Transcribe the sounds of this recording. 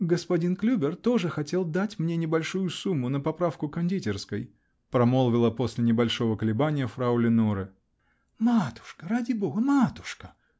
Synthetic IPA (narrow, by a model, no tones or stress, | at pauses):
ɡəspɐdʲinklʲubʲɪrt̪o̞ʐɨxɐtʲe̞lˠd̪atʲmnʲe̞nʲɪbɐlʲʂujʊsumːʊnəpɐpɾafkʊkɐnʲdʲitʲɪrskəj | pɾɐmolˠvʲɪlˠəpo̞sʲlʲɪnʲɪbɐlʲʂo̞vəkəlʲɪbanʲɪjəfɾaulʲɪnoɾɨ | mat̪ʊ̥ʂkəɾadʲɪbo̞ɡəmat̪ʊ̥ʂkə̥